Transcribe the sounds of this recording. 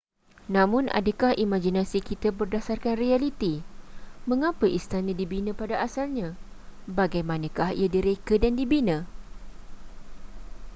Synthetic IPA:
nãmʊ̃nʔa̰dəkahimãd͡ʒinãsikit̪abərdasarkanrialit̪i | mə̃ŋãpəʔist̪anãdibinə̃padaʔasalɲã | baɡajmãnə̃kahḭjadiɾekədandibinə̃

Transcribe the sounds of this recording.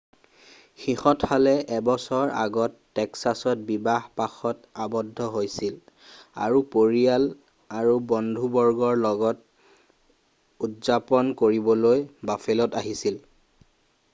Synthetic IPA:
xixɔthalɛʔɛbɔsɔɹa̰ɡɔtːɛksasɔt̚bibahpaxɔtabɔdʱːɔɦojsil | a̰ɹupoɹijal | aɹubɔndʱubɔɹɡɔɹlɔɡɔt̚ | utzapɔnkoɹibɔlojbafelɔtaɦisil

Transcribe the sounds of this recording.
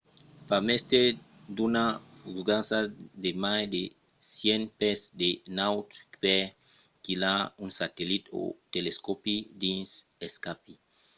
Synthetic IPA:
pamest̪e | dunafuɡãnsademajde | sjẽnpɛsdenawt̪pɛ | kilaũnsat̪elit̪o̰t̪eleskopidĩnseskapi

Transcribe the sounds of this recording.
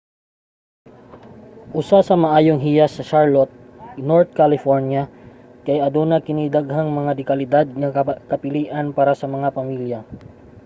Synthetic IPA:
ʔʊsasɐmɐʔaːjoŋɦijɐsɐʃaɹlot̪̚ | noɹt̪̚kalɪfoɹnjɐ | kɐjʔɐd̪onɐkɪnid̪ɐɡɦaŋmɐŋad̪ɪkɐlɪd̪ad̪̚ŋɐkɐpɪliːʔɐnpaːɾasɐmɐŋapɐmiljɐ

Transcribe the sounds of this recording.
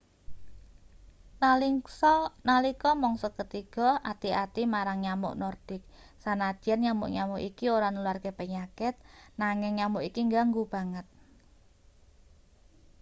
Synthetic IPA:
nalisɔnalikɔmɔŋsɔkət̪iɡɔat̪iat̪imaɾaŋɲamʊ̰ʔnɔrd̪̥ɪk̚ | sanad̥ɛnɲamʊ̰ʔɲamoʔikioɾanəluarkepəɲakɛt̪̚naŋɪŋɲamoʔikiŋɡaŋɡub̥a̤ŋət̪̚

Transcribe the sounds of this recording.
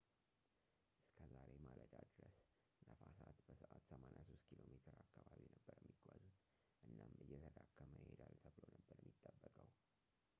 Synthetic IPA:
ʔɨskʰəzaɾemalət̪ʼad̪ɨɾəs | ləfasat̪bəsəʔat̪səmanjaso̞st̪kʰilo̞met̪ʰɨɾakːaβaβinəbːəɾjɛmːiɡʷwazut̪ | ʔɨnːamɨjːɛt̪ʰəd̪akʰːəməjed̪alt̪ʰəβɨlonəbːəɾjmːit̪ʼːəbːəkʼəw

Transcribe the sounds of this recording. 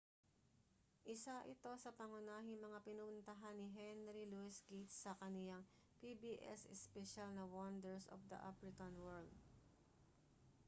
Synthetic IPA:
ʔɪsaʔɪt̪o̞sɐpɐŋʊnaːɦɪŋmɐŋapɪnʊʊnt̪ɐɦanːɪɦɛnɾiluɪsɡit̪sɐkɐnɪlaŋ | pibiːʔɛ̰sɛspɛʃalnɐwɔnd̪ɛɹso̰fd̪ɐ̰ʔa̰fɾɪkɐnwɛɹld̪̚

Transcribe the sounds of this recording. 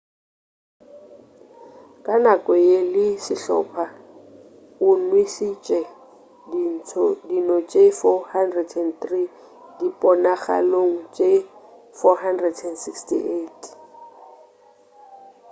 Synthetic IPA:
kʼanakʼɔelɪsɪɬɔ̰pʰa | ʊnwisit͡ʃʼɛ | din̩tʰɔdinɔt͡ʃʼefɔhandrɛdɛnθri | d̥ipʼɔnaχa̰loŋ̩t͡ʃʼe | fɔɦandrɛdɛnsikstḭʔetʰ

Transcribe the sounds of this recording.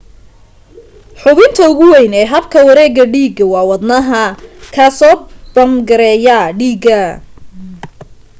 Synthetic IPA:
ħʊβɪnt̪ʰɐʊɣʊwɛjnɛːɦɐbkʰɐwɐɾɛːɣɐɖiːɡɐwɑːwɑd̪nɐɦɐkʰaːsɔːb̥ɐmɡɐɾɛːjɐɖiːɡɐ

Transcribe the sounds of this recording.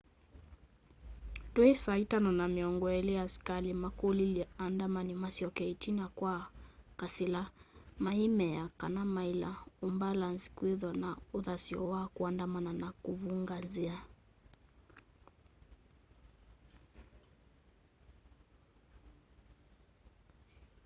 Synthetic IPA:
twɛsaitanɔnamiɔŋɡɔɛliaskalimakuliliandamanimasiɔkɛitinakwakasilamaimɛjakanamaila̰umbalanzi̥kwiðanauðasiɔwakuandamananakuvuŋɡanzia

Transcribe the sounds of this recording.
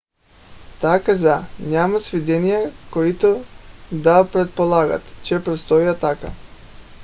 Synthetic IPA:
t̪akazanʲamasvid̪ɛnijakoit̪od̪apɾɛt̪̚polˠaɡa̰t̪t͡ʃɛpɾɛt̪st̪ɔjat̪aka̰

